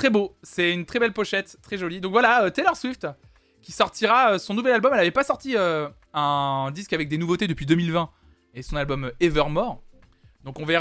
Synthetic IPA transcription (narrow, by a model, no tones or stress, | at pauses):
t̪χɛbosɛynt̪χɛbɛlpɔʃɛt̪ːχɛʒɔlid̪ɔ̃kvwalaøt̪ɛlœʁsɥift̪ | kʲisɔʁt̪iʁaøsɔ̃nuvɛlalbɔmɛlavɛpasɔʁt̪iø | ɛ̃d̪iskavɛk̚d̪enuvot̪ed̪əpɥid̪ømilvɛ̃ | esɔ̃nalbɔmøevœʁmɔʁ | d̪ɔ̃kɔ̃veʁ